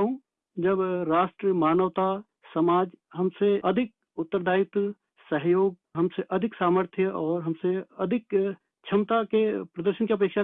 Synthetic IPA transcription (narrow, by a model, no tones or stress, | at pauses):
ɦũ | d͡ʒɐbɾaːʃʈɾəmaːnəʋt̪a | sɐmaːd͡ʒɦɐmseʔɐd̪ʱɪk̚ | ʊt̪ːəɾd̪ʱaːɪt̪ | səɦjoːɡ̚ɦɐmseʔɐd̪ʱɪksaːməɾt̪ʰjɔːɾɦɐmseɐd̪ʱɪk | t͡ʃʰɐmt̪akepɾɐd̪əɾʃənkeɐp̬eːkʃa